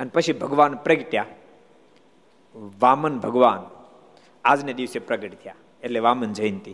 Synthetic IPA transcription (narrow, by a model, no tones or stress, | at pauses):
ɐnpət͡ʃʰibʱəɡʋaːnpɾəɡʈja | ʋaːmənbʱɐɡʋaːn | aːd͡zned̪iʋsepɾɐɡəʈt̪ʰijaː | etʰleʋaːmənd͡ʒəjint̪i